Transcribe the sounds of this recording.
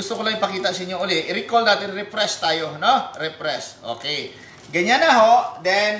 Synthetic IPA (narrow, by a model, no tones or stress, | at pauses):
ust̪ʊklaipakit̪aʔsiɲoolɛhɾikɔld̪at̪iripɾɛst̪ajʊhnɔhrɛpɾɛso̰ke | ɡəɲanaɦɔʔdɛn